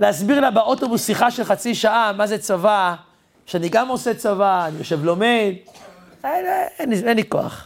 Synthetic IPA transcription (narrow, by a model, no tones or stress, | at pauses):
leasbiʁlabeot̪obusːiχaʃelχat͡siʃaʔamazet͡sava | ʃeaniɡamo̞set͡savaːnijoʃe̞vlo̞me̞d̪ | eenienliko̞̰a̰χ